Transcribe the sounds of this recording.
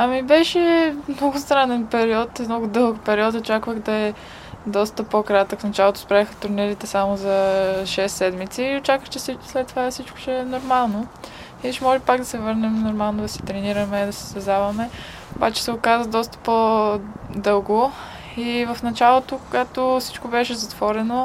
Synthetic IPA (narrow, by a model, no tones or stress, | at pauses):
ɐmibɛʃɛmnɔɡʊst̪ɾanɛnpɛɾiɔt̪mnɔɡʊd̪ɤlˠkpɛɾiɔt̪ot͡ʃakvəɣd̪ɐɛ | d̪ɔst̪əpokɾat̪əkfnɐt͡ʃalˠot̪ʊspɾaixɐt̪ʊɾnɛɾit̪ɛsamʊzɐʃɛsːɛd̪mit̪siːot͡ʃakvət͡ʃɛsit͡ʃslɛt̪ːovafsit͡ʃkʊ̥t͡ʃɛnoɾmalˠno | iʃɛmɔʒipaɡ̚d̪ɐsɛvɤɾnɛmnoɾmalˠnod̪ɐsɛ̥t̪ɾɛniɾɐmɛd̪ɐsɛ̥st̪ɛzavɐmɛ | oba̰t͡ʃɛ̥sɛʊkazəd̪ɔst̪ə̥po | d̪ɤlˠɡo | ivɐfnɐt͡ʃalˠot̪okʊɡat̪ofsi̥t͡ʃkobɛʃɛzɐt̪v̥ɔɾɛno